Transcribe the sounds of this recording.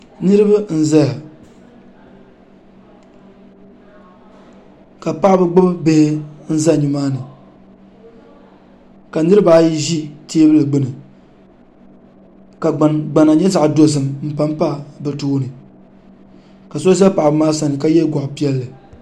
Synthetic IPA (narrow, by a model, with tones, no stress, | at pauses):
nɨ˦ɾɨ˦ba˦n̩˦za˦ja˨ | ka˨pa˦ʔbɨ˦ɡ͡bʊ˦bbe˦hɪ˦n̩˦za˦ɲi˨maː˦nɨ˨ | ka˨nɨ˦ɾɨ˦ba˦ji˦ʒi˦teː˦bɨ˦lɨ˨ɡ͡bɨ˦nɨ˨ | ka˨ɡ͡ba˨na˨ɲɛ˦za˨ʔdo˨s̬ɨ˨mm̩˦pa˦m˦pa˦˨bɨ˨toː˦nɨ˨ | ka˨so˦za˦pa˨ʔbɨ˨˦maː˦sa˨nɨ˨ka˦jɛ˦ɡɔ˨ʔʊ˨pi˦ɛ˦lːɨ˨